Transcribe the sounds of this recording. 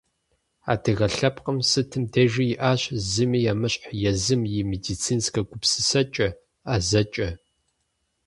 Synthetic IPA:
a̰dɨɣɐɬɐpqəmsɨtʰɨmdɐʒijɪʔaːɕzɨmijamɨɕʼħjɛzɨmjɪmedit͡sʰiːnskɐɡʷʊpsɨsɐt͡ʃʼɐ | azɐt͡ʃʼɐ

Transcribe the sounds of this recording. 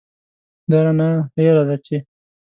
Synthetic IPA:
d̪aɾanaelad̪at͡ʃe

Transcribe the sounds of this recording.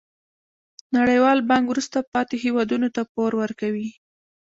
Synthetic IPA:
naɽəjwɑlbɑŋɡwɾust̪apɑt̪eɦewɑd̪unot̪apoɾwəɾkawi

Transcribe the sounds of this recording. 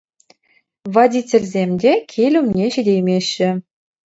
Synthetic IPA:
vɑdʲitʲelʲzʲemʲdʲekʲʰelʲumnʲeɕĭdʲejmʲeɕːɘ̆

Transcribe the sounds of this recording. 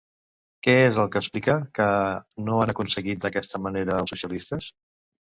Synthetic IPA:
kɛezəlˠkəːsplikəkənoanəkunsəɣit̪̚d̪əkɛst̪əməneɾəːlˠsusiəlist̪əs

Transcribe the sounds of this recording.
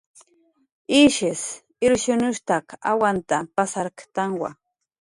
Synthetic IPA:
iʃɪs | ɪɾʃʊnʊʃt̪aka̰want̪apasaɾkt̪aŋwa̰

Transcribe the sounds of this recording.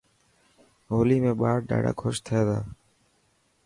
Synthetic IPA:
ɦoːliːmẽːɓaːɾɖa̰ːɽa̰ːkʰoʃt̪ʰɪjeːd̪aː

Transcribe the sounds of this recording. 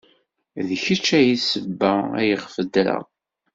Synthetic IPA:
ðçət͡ʃːæjisəbːææ̰jəʁfəd̪ɾa̰

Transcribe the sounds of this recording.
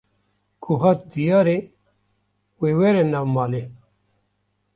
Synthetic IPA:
kʰuɦɐt̪̚d̪ijaɾe | weweɾenawmaːle

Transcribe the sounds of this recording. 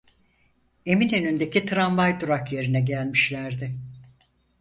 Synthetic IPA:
e̞minønynd̪e̞cʰit̪ʰɾanvajd̪uɾakje̞ɾinɛɟælʲmiʃlʲæɾd̪ɪ

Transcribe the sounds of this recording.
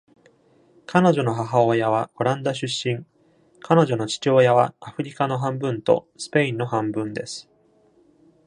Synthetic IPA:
kʰano̞ʑo̞no̞ɦaɦaoːjaβ̞ao̞ɾãnd̪aɕ̬ɨɕːĩŋ | kʰano̞ʑo̞no̞t͡ɕi̥t͡ɕo̞ːjaβaaɸɯ̟ɾʲikano̞ɦãmbɯ̟̃nt̪o̞̰sɨ̥pe̞ĩnːo̞hãmbɯ̟̃nd̪e̞sɨ̥

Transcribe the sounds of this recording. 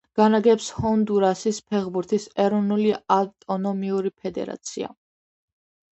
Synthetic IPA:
ɡ̥anaɡɛpshɔnd̪uɾasispʰɛχbuɾt̪ʰisɛɾɔnuliat̪ʼɔnɔmiuɾipʰɛd̪ɛ̰ɾa̰t̪sʰia̰

